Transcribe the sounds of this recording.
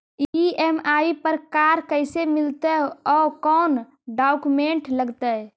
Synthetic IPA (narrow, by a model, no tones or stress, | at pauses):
iemaːipəɾkaːɾkəɪsemɪlt̪eɔːkɔːn | ɖaːʊkumẽɳʈləɡt̪ə